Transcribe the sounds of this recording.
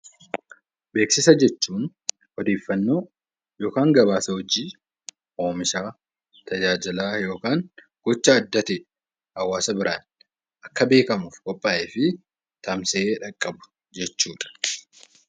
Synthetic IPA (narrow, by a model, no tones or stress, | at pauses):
be̞ːksɪsɐd͡ʒɛt͡ʃːuːn | hɔd̪eːfːɐnːo̞ː | jo̞ːkaːŋɡɐβaːsɐhɔd͡ʒiː | ʔo̞ːmɪʃaː | t̪ʰɐd͡ʒaːd͡ʒɪlaːjo̞ːkaːŋ | ɡ̥ɔt͡ʃːɐːd̪ːɐt̪e | hɐwːaːsɐbɪɾaːn | ʔɐkːɐbe̞ːkɐmuːfkʼɔpʼːaːʔeːfɪ | t̪ɐmseːᶑɐkʼːɐbʊ̥ | d͡ʒɛt͡ʃːuːᶑɐ̥